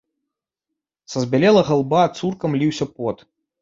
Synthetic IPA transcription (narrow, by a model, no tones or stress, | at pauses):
sɐzʲbʲalʲɛlˠɐɣalˠbat̪surkɐmlʲiwsʲɐpɔt̪